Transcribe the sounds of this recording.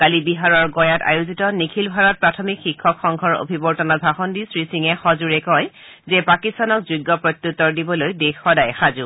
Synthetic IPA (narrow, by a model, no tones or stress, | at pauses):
kalibiɦaɹɔɹɡɔjata̰juzitɔnikʰilbʱaɹɔt̚pɹatʰɔmikxikʰːɔkxɔŋkʰɔɹo̰bʱibɔɹtɔnat̚bʱaxɔndisɹisiŋɛxɔzuɹɛkɔj | zɛpakistanɔk̚zuɡːɔpɹɔt̪ːutːɔɹdibɔlojdekʰːɔdajxazu